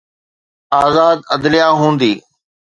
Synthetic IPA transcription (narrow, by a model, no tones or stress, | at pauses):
aːzaːd̪əd̪lɪjaːɦũːnd̪iː